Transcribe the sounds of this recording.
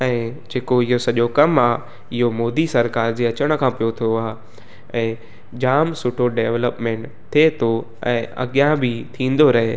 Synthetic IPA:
ɛ̃ːd͡ʑeːkoɪɦosɐʄokɐmaː | ɪɦomoːd̪isɐɾkaːɾd͡ʑiːɐt͡ɕəɽ̃̆kʰãːpijot̪ʰoaː | ɛ̃ː | d͡ʑaːmsʊʈʰoɖeːʋləpmẽːɳʈ | t̪ʰiet̪ʰo | ɛ̃ːɐ̰ɡijãbʱɪt̪ʰĩːnd̪oɾɐɦe

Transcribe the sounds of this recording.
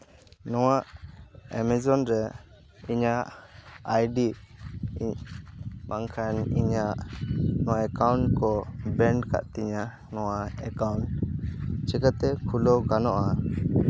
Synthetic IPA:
nɔwaʔɛmɛzɔnɾɛ | iɲaʔajɖi | ɲ | maŋkʰaniɲaʔnɔwaɛkawɳʈkɔbɛɳɖka̰ʔt̪iɲa | nɔwaɛkawɳʈ | t͡ʃɛkət̪ɛkʰulɔɡanɔʔa

